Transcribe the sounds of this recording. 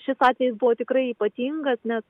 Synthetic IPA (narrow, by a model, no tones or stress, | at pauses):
ʃʲɪsɑːt̪ʲʋʲɛjɪsbʊʋoːt̪ʲɪkɾɐɪiːpɐt̪ʲiŋɡɐsnʲɛs